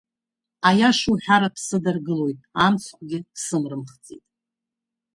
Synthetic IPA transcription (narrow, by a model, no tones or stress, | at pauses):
ajaʂuħᶣaɾapʰsɨdɨrɡɨlo̞jtʼamt͡sʰqʷʼɡʲɪsɨmrɨmχt͡sʼḭtʼ